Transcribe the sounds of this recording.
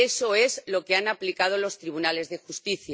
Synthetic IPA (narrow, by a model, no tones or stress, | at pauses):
eso̞e̞zlo̞keanaplikað̞o̞lo̞st̪ɾiβ̞unale̞zðe̞xust̪iθja